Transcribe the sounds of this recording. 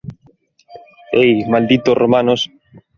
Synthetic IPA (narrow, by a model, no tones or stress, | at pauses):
ejmald̪it̪orʔomanos